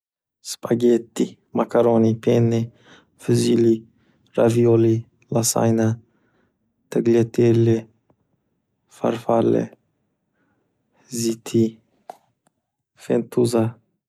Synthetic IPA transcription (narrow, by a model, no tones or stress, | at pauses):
spʰʼaɡet̪ːi | makaɾonipʰenːɛ | fɨzili | ɾavijoli | lasa̰jna | t̪ʰɛɡlet̪ʰelːe | fa̰ɾfalːḛ | zit̪ʰi | fḛnt̪ʰuza